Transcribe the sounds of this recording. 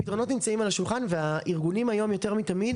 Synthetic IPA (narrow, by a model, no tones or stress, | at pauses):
pitʁo̞no̞tnimt͡saimalaʃulχanveaʔiʁɡunimajo̞mjo̞te̞ʁmitamid